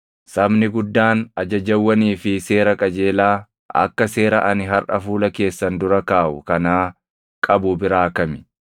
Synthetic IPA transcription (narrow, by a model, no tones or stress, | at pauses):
sɐbnɪɡʊd̪ːaːnɐd͡ʒɐd͡ʒɐwːɐniːfɪse̞ːɾɐkʼɐd͡ʒe̞ːlaː | ɐ̰kːɐse̞ːɾɐʔɐnɪɦɐɾʔɐfuːlɐke̞ːsːɐnd̪ʊɾɐkaːʔʊ̰kɐnaː | kʼɐbʊbɪɾaːkɐmɪ̥